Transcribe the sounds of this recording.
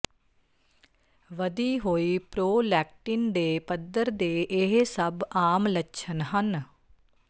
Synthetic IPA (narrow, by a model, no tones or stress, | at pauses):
ʋəd̪iːɦoːiːpɾoːlɛːk̚ʈɪnd̪eːpəd̪əɾd̪eːʔɪɦsəbaːmlətːʃʰənɦən